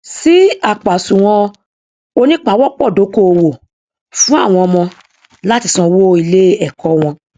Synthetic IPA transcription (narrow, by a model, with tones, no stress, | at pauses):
si˦a˦˨k͡pa˨sũ˨w̃ɔ̃˧ | o˧nĩ˦k͡pa˦wɔ˦k͡pɔ˦˨do˨˦ko˦o˧wo˨ | fũ˦a˦˨w̃ɔ̃˧ɔ˧mɔ̃˧ | la˦ti˧sɔ̃˧wo˦i˧˨le˦ɛ˦˨kʰɔ˨˦w̃ɔ̃˧